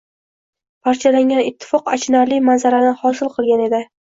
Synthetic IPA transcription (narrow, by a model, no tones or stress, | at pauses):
pʰaɾt͡ʃʰalaŋʲanɪt̪ʰːɪ̥fɒqa̰t͡ʃʰɪnaɾlimanzaɾanɪhɒsɪlˠqʰɨlˠɡʲane̞d̪ɪ